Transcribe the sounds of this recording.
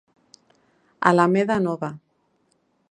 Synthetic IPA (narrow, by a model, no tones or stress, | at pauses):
a̰lameðanɔβa